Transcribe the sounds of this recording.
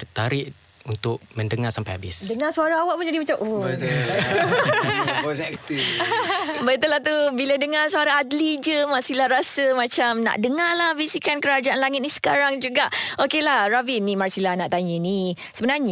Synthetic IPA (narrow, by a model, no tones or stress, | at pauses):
bət̪aɾɪʔ | unt̪ʊk̚mə̃ndəŋarsampajabɪsdəŋasuaɾaawaʔpud͡ʒadimat͡ʃamʔo | ɔsɛkt̪if | bət̪əlaht̪ubiladəŋarsuaɾaːdlid͡ʒəmarsilarasəmãt͡ʃamna̰ʔdəŋalahvisikankəɾad͡ʒaʔanlaŋɪt̪̚nisə̥kaɾaŋd͡ʒuɡaʔʔokelahrabinːimarsilahnaʔt̪aɲəni | səbənarɲa